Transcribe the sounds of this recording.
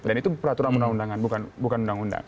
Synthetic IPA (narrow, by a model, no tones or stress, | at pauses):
danit̪upəɾat̪uɾanundaŋundaŋanbukanbukanundaŋunda̰ŋ